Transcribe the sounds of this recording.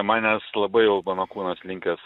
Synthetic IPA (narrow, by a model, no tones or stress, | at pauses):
mɑːnʲɛslˠɐbɐɪjɛʊmɐnoːkuːnɐslʲɪŋʲkʲɛs